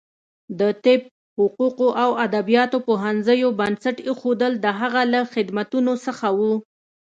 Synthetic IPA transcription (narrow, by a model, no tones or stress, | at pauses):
d̪ət̪ɪb̚ | hʊquqoʔawad̪abijɑt̪opoɦanzəjobansaʈexod̪əld̪əɦaɣalaxɪd̪mat̪unosəxawu